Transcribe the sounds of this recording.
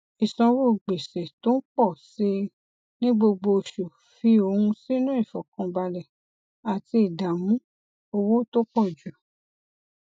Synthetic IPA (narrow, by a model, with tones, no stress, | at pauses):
i˨sɔ̃˧wu˦˨ɡ͡be˨se˨to˦n̩˦k͡pɔ˦˨se˧ | nĩ˦ɡ͡bo˧ɡ͡bo˧˨ʃu˨ | fi˧o˧hũ˧si˦nũ˦i˦˨fɔ˨kã˧ba˧lɛ˨ | a˨ti˧i˨da˨mũ˦ | o˧wo˦to˦k͡pɔ˦˨d͡ʒu˨